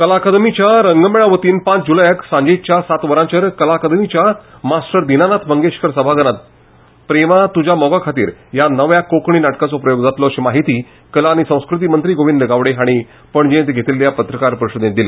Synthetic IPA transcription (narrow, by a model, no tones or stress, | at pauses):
kəlaːkad̪mit͡ɕjaɾəŋɡəmeɭaʋət̪iːnpãt͡sd͡ʑuləjəksãɲd͡ʑet͡ɕjasat̪ʋəɾãɲt͡ɕəɾkəlaːkad̪mit͡ɕja | masʈəɾd̪inanat̪ʰbəŋɡeɕkʰəɾsəbʱaɡənat̪̚ | pɾeʋat̪ud͡ʑʱjamɔɡakʰat̪ḭːɾjanəʋjakokɳ̃iːnaʈkat͡sɔpɾəjoɡd͡zat̪lɔɕemaɦit̪iː | kəlaːñisə̃w̃skɾut̪̬iːmənt̪ɾiːɡoʋind̪əɡaʋɽeɦaɽ̃i | pəɳd͡ʑẽt̪ɡʱet̪iːlːjapət̪ɾəkaɾpəɾuɕəd̪net̪d̪ile